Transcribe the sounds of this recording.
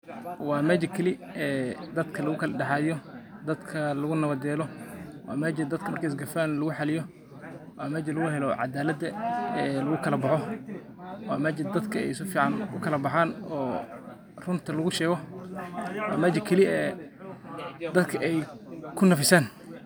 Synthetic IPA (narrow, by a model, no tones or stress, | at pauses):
wɑːmaːt͡ʃɐkʰɐlɪɛːd̪ɐd̪kʰɐlɐɣʊkʰɐlɖɛħɑːðɪjɔd̪ɐd̪kʰɐlɐɣʊnɐβɐd̪ɛːlɔwa̰ːmaːd͡ʒɐd̪ɐd̪̥kʰɐmɐrkɐɪs̬ɡɐfaːnlɐɣʊħɑlɪjɔ | waːmɛːd͡ʒɐlɐɣʊhɛlɔʕɑ̰d̪aːlɐd̪ɐɛːlɐɣʊkʰɐlɐbɑħɔ | wɑːmɐːd͡ʒɐd̪ɐd̪kʰɐɛ̰jɪsʊfiːʕɑnʊkʰɐlɐbɑħaːnɔː | rʊnt̪ʰɐlɐɣʊʃɛːɣɔ | wɑ̰ːmaːt͡ʃɐkʰɐlɪɛː | d̪ɐd̪kʰɐʔɛjkʰʊnɐfɪsaːn